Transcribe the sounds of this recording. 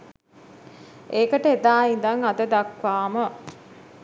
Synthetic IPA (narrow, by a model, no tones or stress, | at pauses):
eːkəʈəed̪aːind̪aŋad̪əd̪akʋaːmə